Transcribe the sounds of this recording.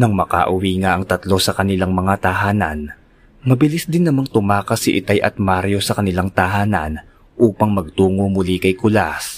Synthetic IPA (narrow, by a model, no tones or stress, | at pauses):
nɐŋmɐka̰ːʔʊwiːŋaʔɐŋt̪ɐt̪lo̞sɐkɐnɪlaŋmɐŋat̪ɐɦaːnɐ̰n | mɐbɪlɪsd̪ɪnːɐmaŋt̪ʊmaːkɐsiʔɪt̪ajʔɐ̰t̪̚maɾjo̞sɐkɐnɪlaŋt̪ɐɦaːnɐn | ʔuːpɐŋmɐɡ̚t̪uːŋo̞mʊlikɐjkʊlas